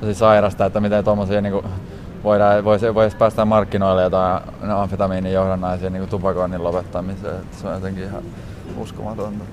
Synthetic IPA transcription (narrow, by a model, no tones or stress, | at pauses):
sisɑirɑst̪ɑet̪ːæmit̪ent̪omːosiːniːŋku | ʋoiɾɑːʋoisʋoiɑspæːst̪æmmɑrkːinoilːejot̪ɑi | neɑɱfet̪ɑmiːnijjohdɑnːɑisiːniːkut̪upɑkonːilopet̪ːɑmisḛːet̪ːæ̥sonjot̪eŋkihɑ̰ | ṵskomɑt̪ont̪ɑ